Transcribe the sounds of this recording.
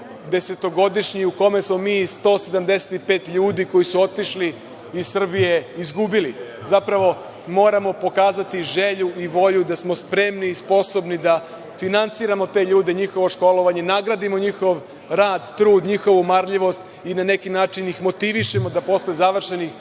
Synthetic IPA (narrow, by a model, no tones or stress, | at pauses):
d̪e̞se̞t̪o̞ɡo̞d̪iʃɲiuko̞me̞smo̞miːst̪o̞ːse̞d̪amd̪e̞se̥t̪ipe̞ːt̪ʎuːd̪iko̞jisuo̞t̪iʃli | izsr̩bije̞izɡubili | zapɾaʋo̞ | mo̞ːɾamo̞po̞kaːzat̪iʒe̞ʎuʔiʋo̞ʎud̪asmo̞spɾe̞mniːspo̞so̞bnid̪a | finant̪siɾamo̞t̪e̞ːʎuːd̪eɲixo̞ʋo̞ʃko̞lo̞ʋaɲe̞naɡɾad̪imo̞ɲixo̞ʋ | ɾaːd̪t̪ɾuːd̪ɲixo̞ʋumaɾʎiʋo̞st̪ | inane̞kinaːt͡ʃinixmo̞t̪iʋiʃe̞mo̞d̪apo̞st̪oezaʋr̩ʃe̞nix